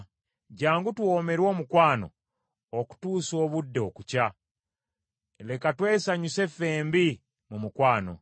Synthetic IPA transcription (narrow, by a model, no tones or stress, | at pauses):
ɟaːŋɡutwo̞ːme̞ɾwo̞ːmukwaːno̞̰ | oku̥tuːso̞ːβudːeokuca | le̞katwe̞ːsaɲuse̞fe̞ːmbi | mumukwaːno̞̰